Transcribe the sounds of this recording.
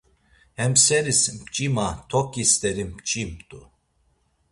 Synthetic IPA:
hɛmsɛɾismpt͡ʃʼimat̪ʰɔkʼist̪ʼɛɾimpt͡ʃʼimt̪ʼu

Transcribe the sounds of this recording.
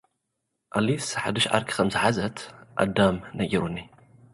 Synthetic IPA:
ʔalifsħad̪ɨʃʕa̰ɾkʰi̥xɐmzɨħazɐt̪ʔa̰d̪ːamnɐɡɐɾunːi

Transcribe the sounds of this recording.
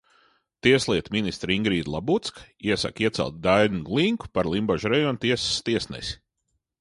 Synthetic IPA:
t̪iɛslˠiɛt̪mʲinist̪ɾiŋɡɾiːd̪lˠabut̪skiɛsa̰kiɛt̪sɛ̰lˠt̪̚d̪ajnulˠiŋku̥paɾlˠimbaʒɾɛjɔnt̪iɛsst̪iɛsnɛ̰sʲi̥

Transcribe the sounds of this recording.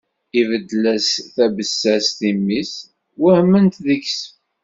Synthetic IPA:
ivəd̪ːlæsθæbəsːæsθimːis | wəhmənt̪ðəçs

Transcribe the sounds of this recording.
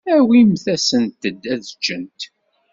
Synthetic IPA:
æwimθæsənt̪ːəd̪ːæðt͡ʃːənt̪

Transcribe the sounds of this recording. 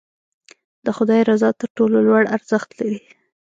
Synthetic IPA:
d̪̥əxʊd̪ɑjɾazɑt̪əɾʈololwaɽaɾzəxt̪laɾi

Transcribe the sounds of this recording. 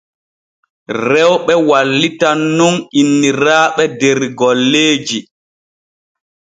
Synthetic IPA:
rɛwɓɛwalːitanːuninːiɾaːɓɛdɛɾɡɔlːeːd͡ʒi

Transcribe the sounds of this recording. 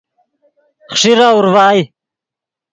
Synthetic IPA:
χʂiɾaːuɾvaːj

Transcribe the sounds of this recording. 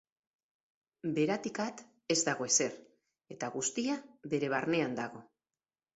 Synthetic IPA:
be̞ɾat̪ikat̪ | e̞zd̪aɣo̞e̞se̞r | e̞t̪aɣust̪iaβe̞ɾe̞β̞arne̞and̪aɣo̞

